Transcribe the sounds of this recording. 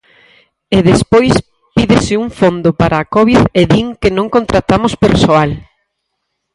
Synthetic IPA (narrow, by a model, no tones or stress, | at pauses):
eðespojs | piðɪsɪuŋfond̪ʊpaɾaːkɔβiðeðiŋkenõŋkont̪ɾat̪amospeɾsoal